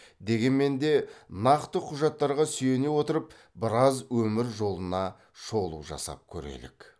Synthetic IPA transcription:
d̪e̞ɡʲe̞nme̞nd̪e̞nɑqt̪əqʰʊʒɑt̪ːɑɾʁɑsʏje̞ne̞wo̞t̪əɾəp̚ | bɪɾɑzwɵmɪɾʒo̞lˠənɑ | ʃo̞lˠuʒɑ̰sɑ̰p̚kʲʰɵ̰ɾḛlɪ̰k

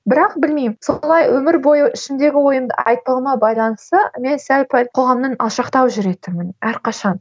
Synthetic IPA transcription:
bɪɾɑq̚bɪlmejmsolˠɑjwɵmɪɾbo̞jəʔɪʃɪnd̪e̞ɡʲɪwo̞jəmd̪ə̰ɑjt̪̚əlˠəɴɑbɑjlˠɑnəst̪əme̞nsælʲpʰælʲqʰo̞ʁɑmnənɑlˠʃɑqt̪ɑwʒʏɾe̞t̪ɪmɪnæɾqʰɑʃɑn

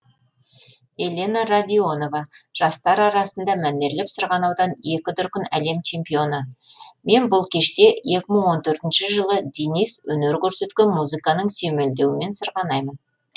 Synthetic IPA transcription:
e̞lʲe̞nɑɾad̪ʲio̞no̞vɑʒ̥ɑst̪ɑɾɑɾɑsənd̪ɑmæne̞ɾlɪpsəɾʁɑnɑwd̪ɑne̞kʲɪd̪ʏɾkʲɪnæle̞mt͡ʃʰe̞mpijo̞nəme̞nbʊlˠkʲʰe̞ʃt̪e̞je̞kʲɪməɴwo̞nt̪ʰɵɾt̪ɪnʃɪʒəlˠəd̪enijswɵneɾkʲʰɵɾse̞t̪kʲe̞nmuzɨkɑnəɴsɵme̞ld̪e̞wɪme̞nsəɾʁɑnɑjmən

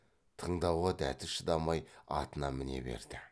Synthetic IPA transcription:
t̪ʰəɴd̪ɑwʁɑd̪æt̪ɪʃəd̪ɑmɑjɑ̰t̪ənɑmɪne̞̰be̞̰ɾd̪ɪ

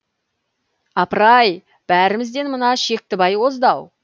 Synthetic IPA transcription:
ɑpɾɑj | b̥æɾɪmɪzd̪e̞nmənɑʃe̞k̚t̪ɪbɑjwo̞zd̪ɑw

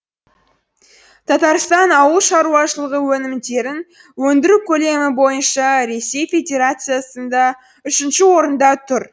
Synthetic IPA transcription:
t̪ʰɑt̪ɑɾst̪ɑnɑwəlˠʃɑɾuɑʃəlˠəʁəwɵnɪmd̪e̞ɾɪn | wɵnd̪ɪɾukʲʰɵle̞mɪbo̞jənʃɑɾe̞sːe̞jfʲe̞d̪ʲe̞ɾat̪sɨjasənd̪ɑ | ʏʃɪnʃɪwo̞ɾənd̪ɑt̪ʰʊɾ

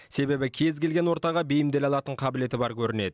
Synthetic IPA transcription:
se̞be̞bɪkʲʰe̞zkʲe̞lɡʲe̞nwo̞ɾt̪ɑʁɑbejɪmd̪e̞lɑlˠɑt̪əɴqʰɑbɪle̞t̪ɪbɑɾkʲʰɵɾɪne̞d̪ɪ

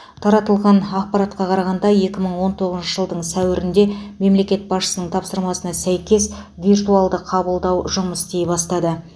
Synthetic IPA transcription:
t̪ʰɑɾɑt̪əlˠʁɑnɑq̚pɑɾɑt̪qɑqʰɑɾɑʁɑnd̪ɑje̞kʲɪməɴwo̞nt̪ʰo̞ʁəzʃəʒəlˠd̪əɴsæwɪɾɪnd̪e̞me̞mle̞kʲe̞t̪̚bɑsʃə̥sənəɴt̪ʰɑpsəɾmɑsənɑsæjkʲe̞svʲirt̪ualˠd̪əqʰɑbəlˠd̪ɑwʒʊməst̪ejbɑst̪ɑd̪ə

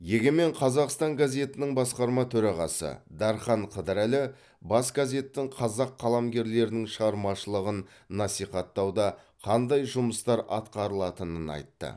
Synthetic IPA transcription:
jeɡʲeme̞ɴqʰɑzɑqst̪ɑŋɡazʲe̞t̪ɪnɪŋbɑsqɑɾmɑt̪ʰɵɾɑʁɑ̰sə̰d̪ɑɾχɑɴqʰəd̪əɾælɪ | bɑsɡazʲe̞t̪ːɪŋqʰɑzɑqʰːɑlˠɑmɡʲe̞ɾle̞ɾɪnɪŋʃəʁɑɾmɑʃəlˠəʁənː | ɑsijχɑt̪ːɑwd̪ɑ | qʰɑnd̪ɑjʒʊməst̪ɑɾʔɑt̪qɑɾəlˠɑt̪ənənɑ̰jt̪ːə̰

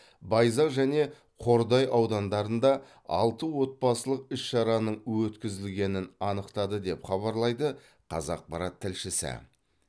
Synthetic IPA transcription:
bɑjzɑʒæne̞ | qʰo̞ɾd̪ɑjɑwd̪ɑnd̪ɑɾənd̪ɑ | ɑ̰lˠt̪əwo̞t̪̚pɑsəlˠəq̚ʏsʃɑɾɑnəɴwɵt̪kʲɪzɪlɡʲe̞nɪnɑnəqt̪ɑd̪əd̪e̞pχɑβɑɾlˠɑjd̪ə | qʰɑ̰zɑ̰q̚pɑɾɑt̪ʰːɪlʃɪsɪ̰

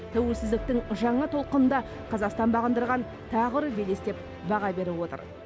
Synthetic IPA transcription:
t̪ʰæwelsɪzd̪ɪk̚t̪ɪŋʒɑɴɑt̪ʰo̞lˠqənənd̪ɑ | qʰɑzɑqst̪ɑnbɑʁənd̪əɾʁɑn | t̪ʰɑʁəɾəbe̞le̞st̪e̞p | bɑʁɑbe̞ɾɪwo̞t̪ə̰ɾ

